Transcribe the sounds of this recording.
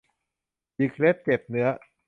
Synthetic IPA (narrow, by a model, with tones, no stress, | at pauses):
i˨˩kʰle˦˥t̪̚t͡ɕe˨˩p̚nɯ˦˥ɐ